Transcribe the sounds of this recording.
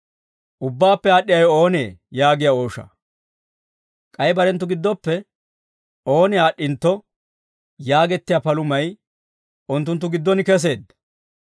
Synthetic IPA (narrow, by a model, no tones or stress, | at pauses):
ʔʊbːaːpːɛaːɗːɪjɐjɔo̞ːneːjaːɡɪjaoːʃɐ̰ | kʼɐjbɐɾɛnt̪ːʊɡɪd̪ːɔpːɛ | o̞ːnɪaːɗːɪnt̪ːɔ | jaːɡɛt̪ːɪjapɐlʊmɐj | ʔʊnt̪ːʊnt̪̬ːʊɡɪd̪ːɔnɪkɛs̬e̞ːd̪